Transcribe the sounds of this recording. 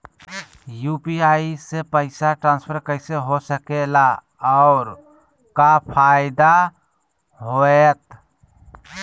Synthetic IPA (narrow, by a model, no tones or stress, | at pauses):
jupiaisepəɪsaʈɾãːnspʰəɾkəɪseɦosəkela | ɔʊɾ | kapʰaɪd̪a | ɦoet̪